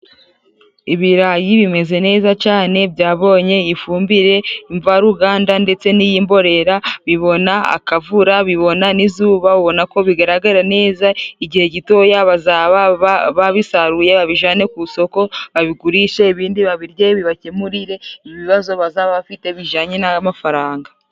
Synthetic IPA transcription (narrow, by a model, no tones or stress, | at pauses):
iβiɾajiβime̞ze̞ne̞ːzat͡ʃaːne̞bjaːβo̞ːɲe̞ifuːmbiɾe̞iɱvaɾuɡaːndande̞t͡se̞nijiːmbo̞ɾe̞ɾaβiβo̞naa̰kavuɾaβiβo̞nanizuːβauβo̞nako̞βiɡaɾaɡaɾane̞ːzaiɟihe̞ɟito̞jaβazaβaβaβaβisaɾuje̞βaβiʒaːne̞kuso̞ko̞βaβiɡuɾiʃe̞iβiːndiβaβiɾɟeβiβacemuɾiɾe̞iiβiβazo̞βazaβaβafite̞βiʒaːɲe̞namafaɾaːŋɡa